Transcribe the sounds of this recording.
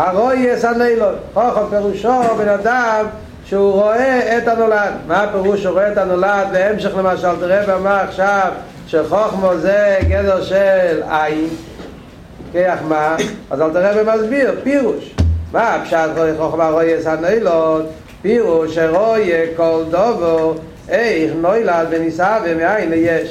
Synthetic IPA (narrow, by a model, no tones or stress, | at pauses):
haʁojɛshanɔjlɔtχoχɔmpɛʁuʃobɛnadam | ʃɛuʁoɛːthanoladmapɛʁuʃuʁoɛɛtanolad̪bɛɛmʃɛχlemaʃalt̪iʁɛbemaːχʃav | ʃɛχɔχmɔzɛɡɛdɛʁʃɛlajin | kejaχmaazalt̪əʁɛbemazbiʁpiʁuʃmaapʃatʁoɛχɔχmaʁojɛshanɔɪjlɔt | piʁuʃeʁojekɔldɔvɔ | ɛjχnɔjlad̪vənisavemɪajɪnlɛjɛʃ